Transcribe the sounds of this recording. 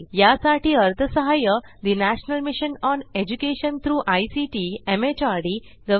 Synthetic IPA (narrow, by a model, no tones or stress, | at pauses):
jasaʈiːəɾt̪ʰəsəɦajəd̪inæɕnəlmiɕənɔned͡ʑukeɕənt̪ʰɾuːʔajsiʈiemet͡ɕaɾɽi | ɡə